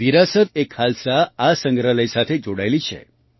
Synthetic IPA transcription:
ʋiɾasət̪ekhalsaasə̃ŋɡɾələjsat̪ʰed͡ʒoɽajlit͡ʃʰḛ

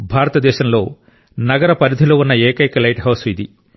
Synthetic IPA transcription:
bʱaːɾɐt̪ɐd̪ɛːʃɐmlo̞ː | nɐɡɐɾɐpɐɾid̪ʱiloːunːɐeːkɐjkɐlɐjʈɦɐwsid̪ḭ

